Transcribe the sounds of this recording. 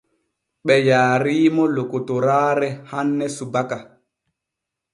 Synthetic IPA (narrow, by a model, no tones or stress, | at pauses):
ɓɛjaːɾiːmɔlokotɔɾaːɾɛhanːɛsubaka